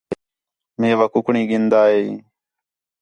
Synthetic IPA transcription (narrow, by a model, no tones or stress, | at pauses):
meːʋakʊkɳĩːɡɪnd̪aːɦeː